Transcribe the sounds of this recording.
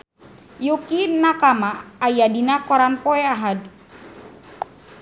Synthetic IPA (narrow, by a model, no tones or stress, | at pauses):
jukinakamaːjadinakɔɾanpɔɛaɦad̚